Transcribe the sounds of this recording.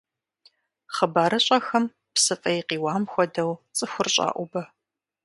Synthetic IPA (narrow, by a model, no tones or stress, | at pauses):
χəbaːɾɐɕʼɐxɐm | psɨfʼɐjqiːwaːmxʷɔdɐwt͡sʼɨxʷʊrɕʼa̰ːʔʷʊbɐ